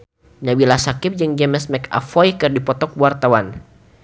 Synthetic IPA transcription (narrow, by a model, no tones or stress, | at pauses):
ɲabilasakɪp̚d͡ʒɨŋd͡ʒɛmɛsmɛka̰fɔjkɨrdipɔt̪ɔk̚wart̪awan